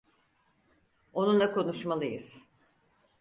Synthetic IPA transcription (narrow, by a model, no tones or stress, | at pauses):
o̞nunlˠakʰo̞nuʃmalˠɯjɯz̥